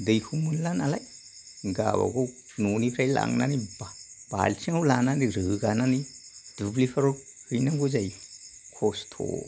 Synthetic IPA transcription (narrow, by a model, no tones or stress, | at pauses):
dɯjkʰumunlanalaj | ɡa̰ba̰ɡo | nunipʰɾajla̰ŋna̰nibab̥a̰lsʰiŋawlananiɾɯɡananid̥ublipʰaɾok̚ | hɯjnaɡuzaj | kʰostʰo̰